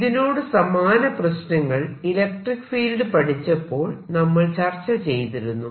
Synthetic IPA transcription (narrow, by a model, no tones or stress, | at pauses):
ðino̞ːɽɨsɐmaːnɐprɐɕnɐŋːɐɭilek̚ʈrikːfiːlɖɨpɐʈʰit͡ɕːɐpːo̞ːɭnɐmːɐɭt͡ɕɐrt͡ɕːɐt͡ɕe̞jt̪iɾunːu